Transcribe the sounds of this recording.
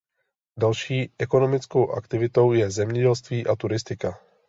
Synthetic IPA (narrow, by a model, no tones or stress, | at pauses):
dalʃiːʔɛko̞no̞mɪt͡sko̞wʔa̰kt̪ɪvɪt̪o̞wjɛzɛmɲɛɟɛlst̪viːʔat̪uɾɪst̪ɪka